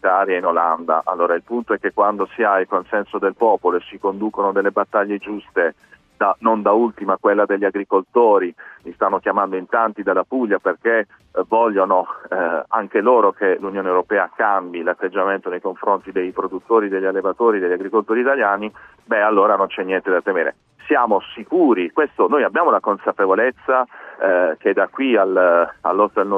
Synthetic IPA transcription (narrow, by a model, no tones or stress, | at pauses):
it̪aɾjainoland̪a̰ʔa̰lːoːɾailpunt̪oɛkːekːwand̪osiailkonsɛnsod̪elpɔːpoloesikond̪uːkonod̪elːebat̪ːaʎːed͡ʒust̪e | d̪anond̪ault̪imakwelːad̪eʎːiaɡɾikolt̪oːɾilist̪anːokjamand̪oint̪ant̪id̪alːapuʎːaperk̟e | vɔʎːono | aŋkeloːɾokelunjoːnewɾopɛːakambilat̪ːed͡ʒːament̪onejkoɱfɾont̪id̪ejpɾod̪ut̪ːoːɾid̪eʎːalːevat̪oːɾid̪eʎːaɡɾikolt̪oːɾit̪aljaːni | bɛalːoːɾanont͡ʃɛnːjɛnt̪ed̪at̪emeːɾḛ | sjaːmosikuːɾikwest̪onojabːjaːmolakonsapevolet̪sːa | k̟ed̪akwiala̰lːost̪eln